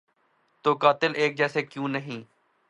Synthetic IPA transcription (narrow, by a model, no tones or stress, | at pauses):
t̪oːkaːt̪ɪlʔeːk̚d͡ʒɛːseːkjũːnəɦĩː